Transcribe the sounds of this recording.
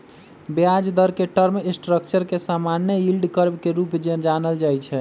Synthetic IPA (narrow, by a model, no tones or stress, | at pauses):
bjad͡ʒd̪əɾkeʈəɾmisʈɾəkt͡ʃəɾkesamanjəɦilɖkəɾbkeɾupd͡ʒd͡ʒanəld͡ʒajt͡ʃʰɛ